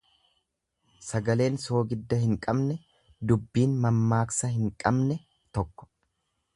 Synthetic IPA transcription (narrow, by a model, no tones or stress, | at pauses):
sɐɡɐle̞ːnso̞ːɡɪd̪ːɐhɪŋkʼɐbnɛ | d̪ʊbːiːnmɐmːaːksɐhɪŋkʼɐbnɛ | t̪ɔkːɔ̥